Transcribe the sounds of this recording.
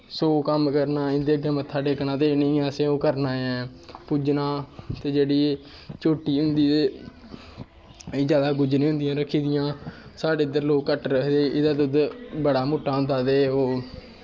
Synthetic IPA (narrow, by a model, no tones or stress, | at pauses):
soːkəmkəɾnaːɪnd̪eːɡəmət̪ʰːaːɖeːknãːt̪eːnəĩːaːseːoːkəɾnaːɛ̃ː | puːd͡ʒnaːt̪eːd͡ʒeːɽiː | t͡ʃoːʈːiːɦʊnd̪iːt̪eː | d͡ʒjaːd̪aːɡʊd͡ʒnẽːɦʊ̃nd̪ɪjãːɾəkʰːiːd̪ɪjãːsaːɖeːɪd̪əɾloːkːəʈɾəkʰd̪eːɪd̪aːd̪ʊd̪bəɽaːmoːʈːaːʊ̃nd̪aːd̪eːoː